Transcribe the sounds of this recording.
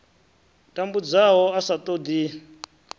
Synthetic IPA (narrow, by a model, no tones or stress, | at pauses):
tʼambud͡zaɦɔasat̪ʼod̪i